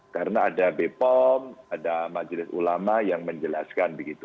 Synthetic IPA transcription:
kaɾənaːdabepɔmadamad͡ʒlɪsṵlamajaŋməɲd͡ʒəlaskanbəɡit̪u

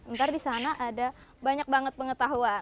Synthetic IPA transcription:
ənt̪ardisanaʔada | baɲak̚baŋət̪̚pəŋət̪aɦua

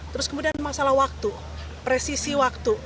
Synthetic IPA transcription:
t̪əɾʊskəmudianmasalahwak̚t̪u | pɾesisiwak̚t̪u

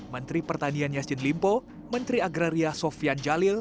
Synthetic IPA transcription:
mənt̪ɾipərt̪anianjasd͡ʒɪnlimpo | mənt̪ɾiaɡɾaɾiasɔfiand͡ʒalɪl

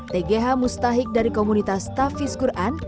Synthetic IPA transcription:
t̪eɡeɦamust̪aɦik̚daɾikomunit̪ast̪afiskuɾʔan

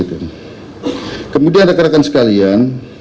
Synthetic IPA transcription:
it̪u | kəmudiandakəɾakansə̥kalian

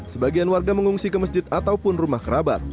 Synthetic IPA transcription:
səbaɡianwarɡaməŋuŋsikəməs̬d͡ʒɪt̪at̪awpʊnrumahkəɾaba̰t̪̚

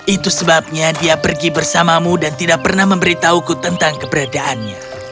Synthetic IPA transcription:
it̪usəbap̚ɲadiapərɡibərsamamudant̪idak̚pərnahməmbəɾit̪aukut̪ənt̪aŋkəbəɾadaʔanɲa

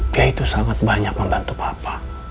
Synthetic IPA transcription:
iait̪usaŋat̪̚baɲak̚məmbant̪upapa

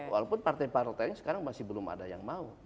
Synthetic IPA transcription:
wa̰lapʊnpart̪ajpaɾlt̪aŋsə̥kaɾaŋmasɪhbəlʊma̰daja̰ŋmau

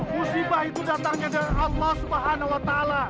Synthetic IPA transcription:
musibahit̪udat̪aŋɲadaɾɑlːɔhsubaɦanawat̪aːla

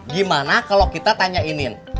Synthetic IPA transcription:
ɡimanakalokit̪at̪aɲainɪn

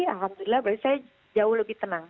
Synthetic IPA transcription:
alɦamd̪uɾilahbɾasaa | d͡ʒaʊhləbɪht̪ənaŋ

